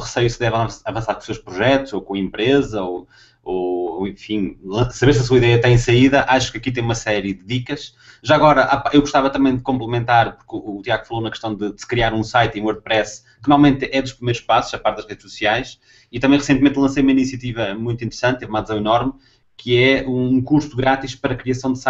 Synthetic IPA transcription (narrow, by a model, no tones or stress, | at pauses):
ʁɨsɐjusðɛvɐ̃ɐvɐ̃saɾkõʃsewʃpɾuʒɛt̪uzokõɐẽmpɾezɐo | oẽfĩlˠɐ̃sɐβeɾs̬ɐsuɐiðɛjɐt̪ɐ̃j̃sɐiðɐʔaʃu̥kɐkit̪̬ɐ̃j̃umɐsɛɾjɨðɨðikɐʃ | ʒaɐɣɔɾɐʔapaʔewɣuʃt̪avɐt̪ɐmɐ̃j̃d̪ɨkõmplˠɨmẽnt̪aɾpuɾkuːt̪iaɣufɐlˠonɐkɨʃt̪ɐ̃w̃d̪ɨsɨ̥kɾiaɾũsajt̪iũoɾð̚pɾɛs | kɨnalˠmẽnt̪ʔɛðuʃpɾimejɾuʃpasuʃɐpaɾt̪̚ðɐʒʁeðʃsusiajʃ | it̪ɐmɐ̃j̃ʁɨsẽnt̪mẽnt̪lˠɐ̃sejumɐinisiɐt̪ivɐmũj̃t̪wĩnt̪ɨɾsɐ̃nt̪evumaðzɐ̃w̃inɔɾm | kʰɨɛũkuɾsuɣɾat̪iʃpɐɾɐkɾiɐsɐ̃w̃d̪sa